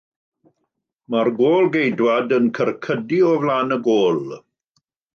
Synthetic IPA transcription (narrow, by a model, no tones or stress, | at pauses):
marɡoːlˠɡejdwadənkʰərkʰədiɔvlaːnəɡoːlˠ